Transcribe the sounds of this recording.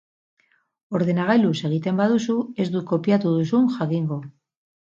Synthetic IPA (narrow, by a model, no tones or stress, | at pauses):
o̞ɾðe̞naɣajluse̞ɣ̞it̪e̞mbaðusue̞zd̪uko̞pjat̪uðusuŋxakiŋɡo